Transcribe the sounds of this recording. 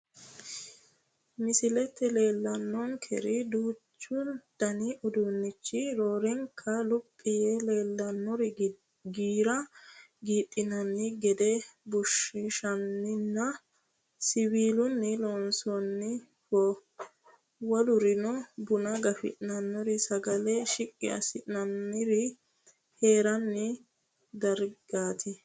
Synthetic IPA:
mɪsɪlɛt̪ːɛle̞ːlːɐnːɔŋkʰɛ̰ɾɪd̪uːt͡ʃːʊd̪̥ɐnɪʔʊd̪unːɪt͡ʃːɪɾoːɾɛŋkʰːɐlʊpʼːɪjɛle̞ːlːɐnːɔɾɪ | ɡiːɾɐɡiːt̪ʼːɪnɐnːɪɡɛd̪ɛbʊʃɪʃɐnːɪnːɐ | sɪbiːlʊnːɪlɔːnsɔnːɪ | fɔ | wɔlʊɾɪnɔbʊnɐɡɐfɪ̰ʔnɐnːɔɾɪsɐɡɐlɛʃɪkʼːɪɐ̰sɪnɐnːɪɾɪ | he̞ːɾɐnːɪ | d̪ɐɾɡaːt̪ʰɪ

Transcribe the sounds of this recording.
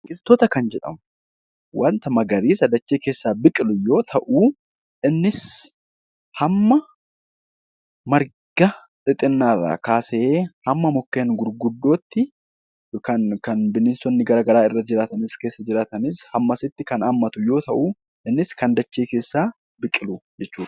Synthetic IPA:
kʼɪlt̪ːɔt̪ɐkɐnd͡ʒɛᶑɐ̰mʊ̥ | wɐnt̪ɐmɐɡɐɾiːsɐd̪ɐt͡ʃːe̞ːkeːsːaːbɪkʼɪlʊjo̞ːt̪ʰɐʔu | ʔɪnːɪs | hɐmːɐ | mɐɾ | ɡ̥ɐ | t̪ʼɪt̪ʼɪnːaːrːa̰ːkaːseːhɐmːɐmɔkːeːnɡʊɾɡʊd̪ːo̞ːt̪ːɪ | kɐnkɐnbɪnɪnsɔnːɪɡɐɾɐɡɐɾaːɪrːɐd͡ʒɪɾaːt̪ɐnɪske̞ːsːɐd͡ʒɪɾaːt̪ɐnɪshɐmːɐsɪt̪ːɪkɐnaːmːɐt̪ʊjo̞ːt̪ɐʔu | ɪnːɪskɐnd̪ɐt͡ʃːeːke̞ːsːaː | bɪkʼɪlʊd͡ʒɛt͡ʃːuːᶑɐ̥

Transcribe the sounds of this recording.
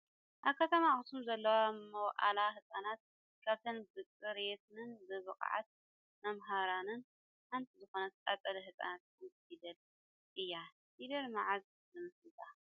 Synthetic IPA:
ʔaβkʰɐt̪ʰɐmaxɨt̪ʰumzɐlːɐwamɐwʔa̰laɦɨsʼanat̪̚ | kʰaβt̪ʰɐnbɨt͡sʼːɨɾet̪ʰɨnɨnbɨβɨkʼʕa̰t̪̚ | mɐmɦaɾanɨn | ħant̪ʰizɨxo̞nɐt̪t̪ʼat̪ʼɐlɐɦɨsʼa̰nat̪̚kmɨsid̪ɐl | ʔɨjːa | hid̪ɐlmaʕaz | zɨmɨslɨt̪ʰa

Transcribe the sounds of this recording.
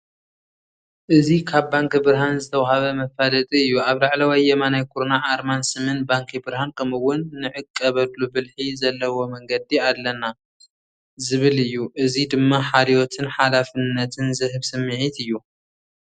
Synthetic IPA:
ʔɨzikʰaβːaŋkbɨɾɦanzɨt̪ʰɐwhaβɐmɐfalɐt̪ʼiɨjːuaβlaʕlɐwajːɛmanajkʰuɾnaʔaɾmansɨmɨnbaŋkʰibɨɾhankʰɐmɨwːʊnːɨʕɨkʼːɐβɐd̪lubɨlħizɐlːɐwo̞mɐŋɡɐd̪iad̪lːɐna | zɨβɨlɨjːuʔɨzid̪ɨmːaħaɾiwot̪ʰɨnħalafɨnːɐt̪ʰɨnzɨɦɨβsɨmːɨʕit̪ɨjːu

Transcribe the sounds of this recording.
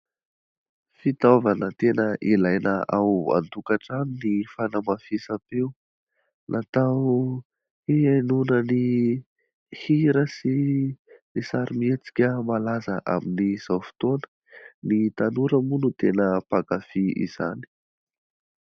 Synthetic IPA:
fit̪avanət̪enəʔilajnəʔawa̰nt̪ukaʈ͡ʂaninifanamafisapew | nʔat̪aw | iajnunəni | hiɾəsi | nisaɾimet͡si̥kʲəmalazəʔa̰miniz̥awfi̥t̪onə̥ | nit̪anuɾəmunut̪enəpakafiḭz̥a̰ni̥

